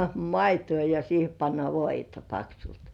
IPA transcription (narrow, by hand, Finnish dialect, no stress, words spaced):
mɑituː jɑ siːhe pɑnːɑ ʋoitɑ pɑksult